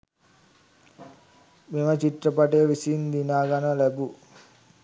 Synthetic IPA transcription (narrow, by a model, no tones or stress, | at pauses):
memət͡ʃiʈ̪rɐpaʈejʋisiːnd̪inaːɡanɐlɛbu